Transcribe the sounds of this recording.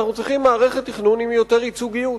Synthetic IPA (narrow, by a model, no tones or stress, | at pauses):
aχnut͡sʁiχimːaːʁeχet̪ːiχnunimjot̪eʁit͡suɡiju